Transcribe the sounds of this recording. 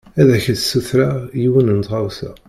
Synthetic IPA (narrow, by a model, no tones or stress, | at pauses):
æðæçæθsuθɾajiwənənt̪ʁawθæ̰